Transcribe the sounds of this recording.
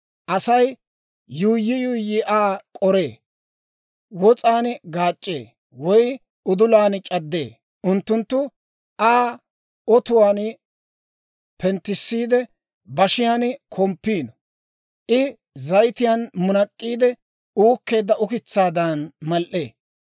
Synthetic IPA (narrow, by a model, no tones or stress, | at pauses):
ʔɐsɐj | juːjːɪjʊːjːɪʔaːkʼɔɾe̞ː | wɔt͡sʼaːnɡaːt͡ʃʼːḛː | wɔj | ʊd̪ʊlaːnt͡ʃʼɐd̪ːe̞̰ː | ʔʊnt̪ːʊnt̪ːʊ | aː | ɔt̪ʊwaːn | pɛnt̪ːɪsːiːd̪ɛ | bɐʃɪjaːnkʰɔmpːiːnɔ | ʔɪ | zɐjt̪ɪjanmʊnɐkʼːiːd̪ɛ | uːkːe̞ːd̪ːɐʔʊkɪt͡sːaːd̪ɐnmɐlʔe̞̰ː